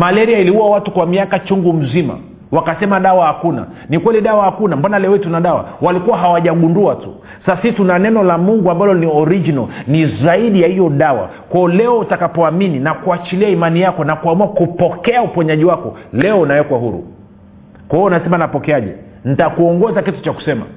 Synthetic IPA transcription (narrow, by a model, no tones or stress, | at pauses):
malɛɾiailiuwawatukwamiakat͡ʃuŋɡum̩zima̰ | wakasɛmaɗawahakuna̰ | nikwɛliɗawahakunambanalɛɔitunaɗawa̰walikuwaɦawaʄaɠunduatṵ | sasasitunanɛnɔlamuŋɡuambalɔniɔɾid͡ʒinɔnizaiɗijahijɔɗawa̰ | kwajɔlɛɔutakapɔamininakuat͡ʃiliaimanijakɔnakuamuakupɔkɛaupɔɲaʄiwakɔlɛɔunawɛkwahuɾṵ | kwahiɔnasɛmanapɔkɛaʄɛ̰ | n̩takuɔŋɡɔzakitu̥t͡ʃaku̥sɛma̰